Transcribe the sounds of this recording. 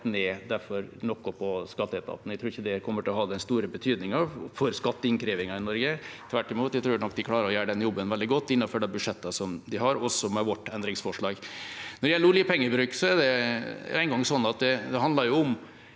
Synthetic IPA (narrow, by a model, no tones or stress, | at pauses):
neːd̪æɾfɔɾnɔkːʊpʰɔskɑt̪ːəɛt̪ʰɑ̰t̪n̩æɪt̪ʰɾuːɾɪçːəd̪ɛkʰɔmːəʈʰɪlɔɦɑːd̪ɛnst̪uːɾəbət̪ʰyːd̪nɪŋɑʋfɔɾskɑt̪ːəɪnkʰɾiːʋɪŋɑɪnɔɾɡət̪ʰʋæʈːɪmuːt̪jæɪt̪ʰɾuːɾnɔk̚ːd̪ɪkʰlɑːɾəɾɔjæːəɖɛnjɔbːənʋɛld̪ɪɡɔt̪ːɪnːɑføːɖɛbʉʂɛt̪ːɑsɔmd̪ɪɦɑɾɔsːɔmɛʋɔʈːɛnd̪ɾɪŋsfɔʂɭɑːɡnɔɾjæɪluːliːpʰɛŋːəbɾʉːksɔɛɖɛæɪŋɡɑŋsɔnːɑt̪̚d̪ɛd̪ɛɦɑnd̪ɑɾjʊʊm